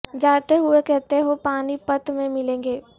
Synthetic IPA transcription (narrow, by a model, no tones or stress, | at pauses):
d͡ʒaːɽt̪eɦʊekɛɦt̪eɦopaːnipət̪mẽmɪlẽːŋɡeː